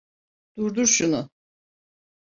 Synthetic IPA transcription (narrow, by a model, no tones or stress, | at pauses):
d̪̥uɾd̪uɾʃunʊ